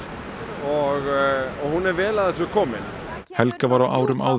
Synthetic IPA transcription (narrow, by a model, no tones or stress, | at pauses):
ɔɣɔɣhunɛɾvɛːlaðɛsʏkʰɔːmɪn | hɛlkavaɾawʔaːwɾʏma̰w